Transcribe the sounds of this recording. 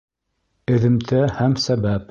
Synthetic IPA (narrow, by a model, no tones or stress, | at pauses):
ɘ̆ðɘ̆mt̪ʰæhæmsæbæp